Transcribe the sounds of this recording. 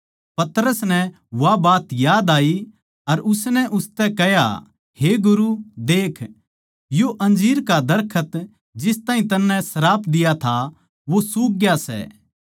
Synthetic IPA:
pɐt̪ɾəsnɛ | ʋabaːt̪jaːd̪aːi | ɐɾʊsnɛʔʊst̪ɛkɛja̰ | heɡʊɾud̪eːkʰ | joʔɐ̃nd͡ʒiːɾkad̪ɐɾkʰət̪ | d͡ʒɪst̪aːɦĩt̪ɐnːɛ̃sɐɾaːpʰd̪ɪjat̪ʰa | ʋosuːk̚ɡjasɛ̰ː

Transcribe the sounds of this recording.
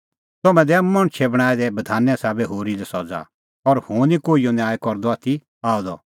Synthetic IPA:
t̪ɔmɛ̃d̪ɛmɐɽ̃t͡ʃʰɛbɐɽ̃aːɛd̪ɛbɐd̪ʱaːnːɛ̃saːbɛɦoːɾilɛsɔd͡za̰ | ɔɾhũːnikoːijɔnjaːjkɔɾd̪ɔaːt̪ʰi | aːɔd̪ɔ

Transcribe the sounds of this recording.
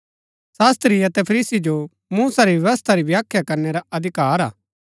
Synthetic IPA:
saːst̪ɾiɐt̪ɛpʰɐɾiːsid͡ʒo | muːsaɾiʋjɐʋəst̪ʰaɾibjaːkʰjakɐɾneɾaɐd̪ʱɪkaːɾa̰ː

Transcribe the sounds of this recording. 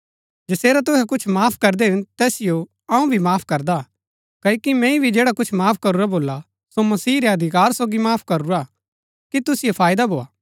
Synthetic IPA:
d͡ʒɐseːɾat̪̬ʊɦɛkʊt͡ʃʰmaːpʰkɐɾd̪eɦʊ̃nt̪ɛːsɪjo | ɐũbʱimaːpʰkɐɾd̪a | kɐkimɛ̃ĩbʱid͡ʒeːɽakʊt͡ʃʰmaːpʰkɐɾuɾaboːla | somɐsiːɾeɐd̪ʱɪkaːɾsoːɡimaːpʰkɐɾuɾa | kit̪ʊsɪjopʰaːɪd̪aboːa̰ː

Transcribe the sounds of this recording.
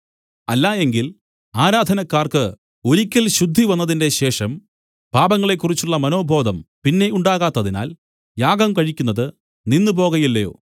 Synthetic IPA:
ɐlːaːe̞ŋɡil | aːɾaːd̪ʱɐnɐkːaːrkɨ | o̞ɾikʲːɐlɕud̪ʱːiʋɐnːɐðinde̞ɕe̞ːʂɐm | b̥ʱaːbɐŋːɐɭe̞kːurit͡ɕːuɭːɐmɐno̞ːbʱo̞ːd̪ʱɐmpinːe̞uɳɖaːɣaːt̪ːɐðina̰ːl | jaːɡɐmkɐɻikʲːunːɐðɨ | ninːɨp̬o̞ːɣɐjilːɐjo̞̰ː

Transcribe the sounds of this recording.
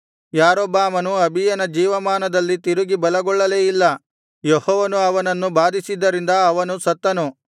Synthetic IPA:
jaːɾoːbaːmɐnuɐbʱijɐnɐd͡ʒiːʋɐmaːnɐd̪ɐlːit̪iɾuɡibɐlɐɡɔɭːɐleːjilːɐ | jehɔːʋɐnuɐʋɐnɐnːubaːd̪isid̪ːɐɾind̪ɐːʋɐnusɐt̪ːɐnu

